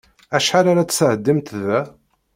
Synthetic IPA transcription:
æʃħaɾaɾat͡ssəʕəd̪ːimt̪ðæ

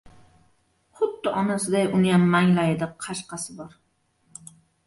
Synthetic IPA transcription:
χʊd̪ːɪʔɒnasɪd̪ajʊnɪjamːaŋlajɪd̪ɪqʰɑʃqɑsɪbɒɾ

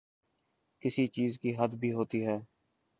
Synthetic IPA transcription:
kɪsit͡ʃiːzkiɦəd̪bʱiːɦoːt̪iɦɛː

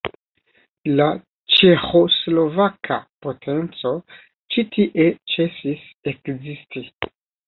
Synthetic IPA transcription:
la | t͡ʃe̞xoslo̞vakʰa̰po̞tʰe̞nt͡so̞ | t͡ʃitʰiʔe̞t͡ʃe̞sis | e̞kzisti

